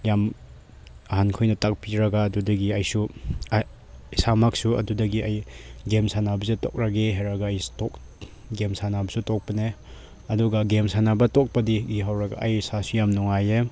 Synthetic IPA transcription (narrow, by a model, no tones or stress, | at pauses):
jam | ɐɦankʰojnɐtak̚piɾaɡaːdudɐɡiɐjsu | samak̚suɐ̰dudɐɡiʔajɡemsanabɐzetɔ̰k̚ɾaɡeɦeɾaɡaːjtɔk̚ | ɡemsanabɐsutɔk̚pɐne | ɐduɡaɡemsanabɐtɔk̚pɐdiɡiɦawɾɐɡa̰ɐjsasujamnɔŋaje